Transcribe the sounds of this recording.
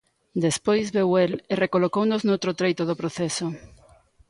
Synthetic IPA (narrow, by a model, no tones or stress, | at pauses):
d̪espojzβewelerekolokownoznowt̪ɾot̪ɾejt̪oðopɾoθesʊ